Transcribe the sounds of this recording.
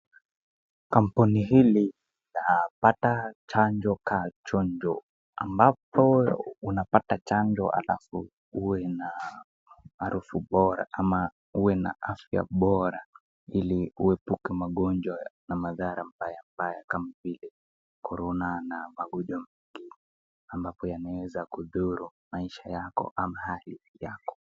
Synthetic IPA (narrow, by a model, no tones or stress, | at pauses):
kampuniɦili | napatat͡ʃand͡ʒɔkʰat͡ʃɔnd͡ʒɔ | a̰mbapɔunapatat͡ʃand͡ʒɔ̰ʔa̰la̰fu | uwɛnaː | ɾufuɓɔɾa̰ʔama | uwɛna̰ʔafja̰ɓɔɾa | iliuɛpukɛmaɠɔnd͡ʒwanamaðaɾambajambajakamavilɛ | kʰɔɾɔnanamaɡɔʄɔmɛŋɡi | ambapɔjanawɛzakuðuɾumaiʃajakɔ̰ʔamahalijakɔ̥